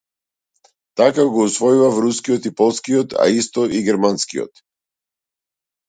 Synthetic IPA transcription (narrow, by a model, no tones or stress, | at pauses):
t̪akaɡɔusvɔjuvavɾuskijɔt̪ipɔlˠskiɔt̪a̰ist̪ɔʔiɡɛɾmanskiɔ̰t̪